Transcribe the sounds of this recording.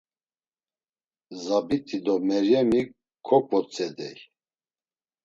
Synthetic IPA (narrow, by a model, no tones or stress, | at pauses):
zabit̪ʰʼid̪ɔmɛɾjɛmi | kʰːɔpʼɔt͡sʼɛd̪ɛj